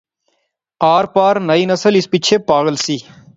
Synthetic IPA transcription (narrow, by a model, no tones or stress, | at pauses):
aːɾpaːɾnəiːnəsəlɪspɪt͡ʃʰeːpaːɣəlsiː